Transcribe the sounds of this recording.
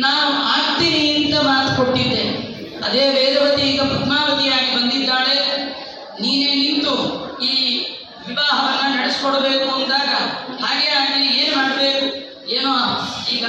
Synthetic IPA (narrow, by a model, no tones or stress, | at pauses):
naːwuaːt̪iniint̪ɐmaːt̪u̥koʈːid̪ːe | ɐd̪e̞ːʋeːɾɐʋɐt̪iiːɡɐput̪ʰmaːʋɐt̪ijaːɡibɐnd̪id̪ːaːɭe̞ | niːneːnint̪uiː | ʋiʋaːɦɐʋɐnːɐnɐɽeskɔɽɐbe̞ːkuɐnd̪aːɡɐhaːɡe̞aːɡt̪inieːnumaːɽɐbe̞ːku | eːnoiːɡɐ